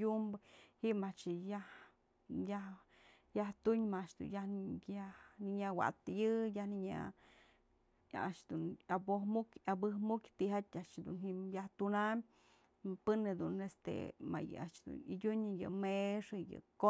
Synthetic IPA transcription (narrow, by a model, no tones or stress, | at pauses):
umbɨhiʔmat͡ʃjah | jah | jaht̪uɲmaaʔʂd̪ṵnjahjahniɲawa̰t̪jɨjahniɲa̰ | a̰ʂd̪unabohmukʲabɨhmukt̪iɦat̪ʲaʔʂd̪ṵnɦimjaht̪unamʲ | pɨned̪unest̪ḛma̰jɨ̰a̰t͡ʃd̪ṵnḭdʲuɲɨjɨ̰meʂɨjɨ̰ko